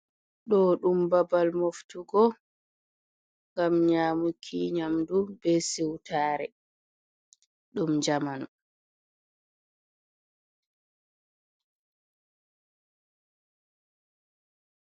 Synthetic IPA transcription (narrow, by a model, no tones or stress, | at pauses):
ɗɔːɗumbabalmoftuɡɔ | ŋɡamɲaːmukʰiɲamdubɛsiwtʰaːɾɛ | ɗumd͡ʒamanɔ